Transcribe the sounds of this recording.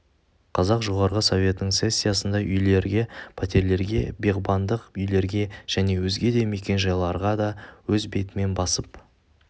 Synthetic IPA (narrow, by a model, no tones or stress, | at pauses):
qʰɑzɑqʒo̞ʁɑɾʁəso̞vʲje̞t̪nəɴse̞sʲːijɑsənd̪ɑʔʏjle̞ɾɡʲe̞pʰɑt̪ʲe̞ɾle̞ɾɡʲe̞be̞ʁbɑnd̪əqʏjle̞ɾɡʲe̞ʒ̥æne̞wɵzɡʲe̞d̪e̞me̞kʲe̞nʒɑjlˠɑɾʁɑd̪ɑwɵzbe̞t̪ɪme̞nbɑsəp